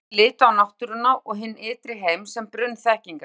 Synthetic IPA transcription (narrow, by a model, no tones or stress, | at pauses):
lɪːt̪ʏawnawht̪ʏɾʏnːaʔɔɣɦɪnːɪːt̪ɾɪɦeːjmsɛmpɾʏnːθɛhciŋka